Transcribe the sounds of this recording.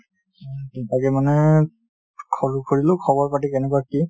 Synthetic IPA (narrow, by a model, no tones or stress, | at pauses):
dɛtakɛmanɛ | kʰɔɹukʰoɹilʊ̃kʰɔbɔɹpatikɛnɛkuaki